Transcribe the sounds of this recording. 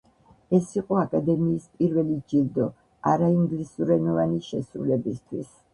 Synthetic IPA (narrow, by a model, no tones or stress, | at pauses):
ɛsiqʼɔakʼad̪ɛmiːspʼiɾvɛlid͡ʒiɾd̪ɔ | a̰ɾaiŋɡlisuɾɛnɔvaniʃɛsɾṵlɛbist̪ʰwis